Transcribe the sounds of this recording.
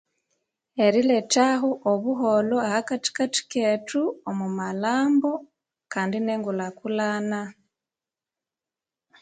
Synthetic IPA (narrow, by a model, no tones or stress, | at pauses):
eɾiletaɦoʔoβuɦoloahakati̥kati̥ketuomumalaːmbo̞ | kaːndineŋɡulakulaːna